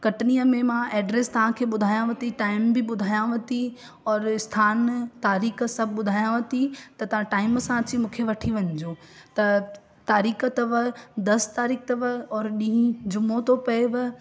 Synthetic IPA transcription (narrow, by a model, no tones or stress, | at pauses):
kɐʈnijəmẽmãʔɛːɖɾeːst̪ɐʋ̤ãkʰeːɓʊd̪ʱaːjãʋɐt̪iʈaːɪmbɪɓʊd̪ʱaːjãʋɐt̪i | ɔːɾɪst̪ʰaːnt̪aːɾiːxsɐbʱɓʊd̪ʱaːjãʋɐt̪it̪ɐt̪ɐʋ̤ãʈaːɪmsãɐt͡ɕimũːkʰeʋɐʈʰiʋɐɲd͡ʑoːt̪ɐ | t̪aːɾiːkət̪ɐʋɐd̪ɐst̪aːɾiːk̚t̪ɐʋɐɔːɾɗĩɦĩd͡ʑʊmot̪ʰopɐeʋɐ